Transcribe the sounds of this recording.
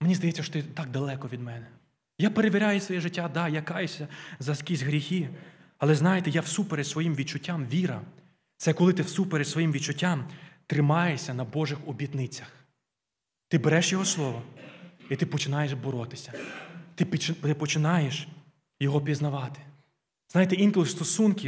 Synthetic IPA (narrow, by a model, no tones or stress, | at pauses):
menʲizd̪ɐjɛtt͡sʲːɐʃɔ̥t̪ɪt̪ɑk̚d̪ɐlˠɛkɔʋʲid̪mɛnɛ | japeɾeʋʲiɾʲajɛsʋɔjɛʒɪtʲːad̪ɑjakɑjɛsʲɐzɐskʲizʲɦɾʲixʲi | ɐlˠɛznɑjet̪ɛjawsupeɾesʋɔjimʋʲid̪̚t͡ʃʊtʲːamʋʲiɾɐ̰ | t̪sɛkɔlˠɪt̪ɪwsupeɾɪsʋɔjimʋʲid̪t͡ʃʊtʲːamt̪ɾɪmɑjɛsʲɐnɐbɔʒɪxɔbʲid̪nɪt͡sʲɐx | t̪ɪbeɾɛʃjɔɦɔslˠɔʋɔit̪ɪpɔt͡ʃɪnɑjeʃbɔɾɔt̪ɪ̥sʲɐt̪ɪpt͡ʃ̪ɪpɔt͡ʃɪnɑjeʃ | jɔɦɔpʲiznɐʋɑt̪ɪ̥ | znɑjet̪ɛinklʲˠʊst̪ɔsunkʲi